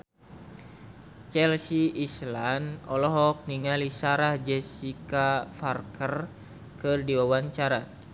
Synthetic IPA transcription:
t͡ʃɛlsiːslanɔlɔɦɔk̚niŋalisaɾahd͡ʒɛsikafarkər | kɨrdiwawaɲt͡ʃaɾa

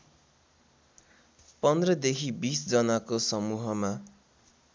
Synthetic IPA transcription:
pʌnd̪rʌd̪ekʰibisd͡zʌnakosʌmuɦʌma

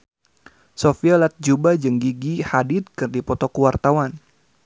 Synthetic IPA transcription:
sofialat̪̚d͡ʒubad͡ʒɨŋɡiɡihadid̪̚kɨrdipɔt̪ɔkuwart̪awan

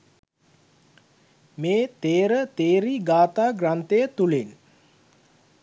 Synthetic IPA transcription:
meːt̪eːɾət̪eːɾiɡaːt̪aːɡrant̪ejət̪ulen

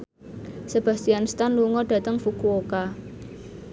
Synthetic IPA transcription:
səb̥a̤st̪ianst̪anluŋɔɖ̥ä̤t̪əŋfukuoka

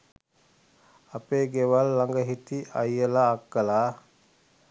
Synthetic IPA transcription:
apeːɡeʋalːaŋɡəɦit̪iʔajəlaːkːəlaː

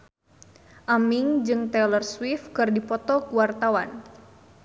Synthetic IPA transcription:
ʔamɪŋd͡ʒɨŋt̪ɛlərswifkɨrdipɔt̪ɔkuwart̪awan

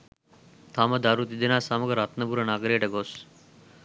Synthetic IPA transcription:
t̪ʰaːməd̪ʱaɾut̪id̪enaːsaməɡɾaːt̪nəbuɾənaːɡɾeɖəɡoːs

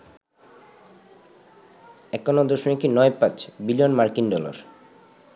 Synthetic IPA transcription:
ɛkːonod̪oʃonekinɔepat͡ɕbilijonmaɾkinɖɔla̰ɾ

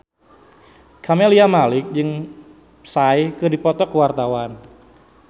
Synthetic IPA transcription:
kʰameliamalɪk̚d͡ʒɨŋ | saikɨrdipɔt̪ɔkəwart̪awan

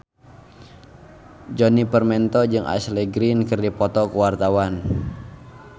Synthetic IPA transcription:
d͡ʒɔnipərmɛnt̪ɔd͡ʒɨŋa̰sleɡɾinkɨrdipɔt̪ɔkəwart̪awan

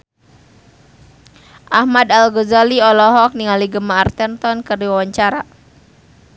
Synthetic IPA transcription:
ʔahmadalɡozaliɔlɔɦɔk̚niŋaliɡəmaːrt̪ɛnt̪ɔnkəriwawaɲt͡ʃaɾa

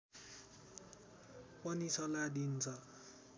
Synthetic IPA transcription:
pʌnit͡sʌlad̪int͡sʰʌ

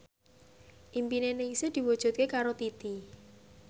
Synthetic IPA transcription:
ʔimpinenɪŋsɪd̪̥i̤wɔd̥ʒ̥ṳt̪̚kekaɾot̪it̪i

